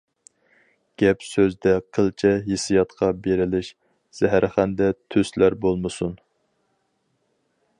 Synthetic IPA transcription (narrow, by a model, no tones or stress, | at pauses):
ɡ̥ʲɛpsøzd̪ɛqʰəlˠt͡ʃʰɛɦesijɑt̪qʰɑbeɾɪlɪʃ | z̥ɛɦæɾʔχænd̪ɛt̪ʰøslæɾbolˠmɨsun